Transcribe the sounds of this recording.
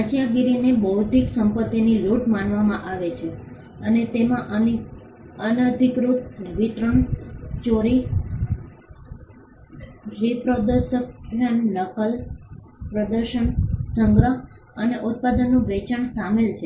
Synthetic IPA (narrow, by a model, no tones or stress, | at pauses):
at͡ʃjaɡiɾinebəɦt̪iksəmpət̪ːiniluʈmanʋamãʔaʋet͡ʃʰe | ənet̪emãʔəni | ənəd̪ʱikɾut̪ʋit̪ɾəɳt͡ʃoɾi | ɾipɾod̪əɾʃəkɾəɳləkəl | pɾəd̪əɾʃəɳsəŋɡɾə | əneʔut̪̚pad̪ənːũʋɛt͡ʃaɳsamelt͡ʃʰe